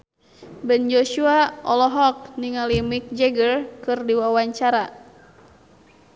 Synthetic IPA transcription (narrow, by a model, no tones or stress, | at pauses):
bɛnd͡ʒoʃuaɔlɔɦɔk̚niŋalimik̚d͡ʒɛɡərkɨrdiwawaɲt͡ʃaɾa